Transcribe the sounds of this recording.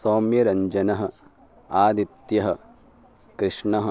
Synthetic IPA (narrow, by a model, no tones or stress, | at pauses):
soːmjɐɾɐɲd͡ʒɐnɐɦɐ̆ | aːd̪it̪jɐɦɐ̆ | kɾiʂɳɐɦɐ